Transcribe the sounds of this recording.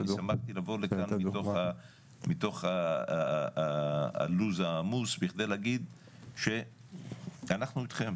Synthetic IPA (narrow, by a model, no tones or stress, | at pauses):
samaχt̪ilavo̞lekanmitoχa | mit̪o̞χa | a̰luzamusbiχdelaɡid̪ | ʃe̞ | anaχnuit̪χem